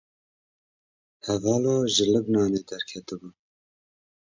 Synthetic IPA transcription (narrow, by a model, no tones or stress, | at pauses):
hɛvɑːloʒɨlɨbnɑːneːd̪ɛɾkʰɛt̪ɨbu